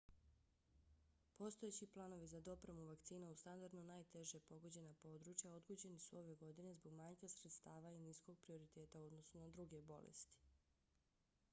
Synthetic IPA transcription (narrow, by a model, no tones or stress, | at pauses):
po̞st̪o̞et͡ɕiplˠaːno̞ʋizad̪o̞pɾemuʋakt̪siːnaust̪and̪aɾd̪nonaːjt̪e̞ʒepo̞ɡo̞d͡ʑe̞napo̞ːd̪ɾut͡ʃjao̞d̪ɡud͡ʑe̞nisuo̞ʋe̞ɡo̞d̪ine̞zbo̞ɡmaɲkasɾet̪st̪aːʋainisko̞ɡ̚pɾio̞ɾit̪e̞ːt̪aod̪no̞sunad̪ɾuɡebo̞̰lḛst̪i̥